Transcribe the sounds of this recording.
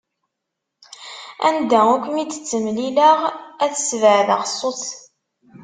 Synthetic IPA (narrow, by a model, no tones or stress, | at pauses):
æ̰nd̪æukʷmiə̥t͡sːəmlilaʁæθəsvəʕðɑ̰ʁsˤːot͡s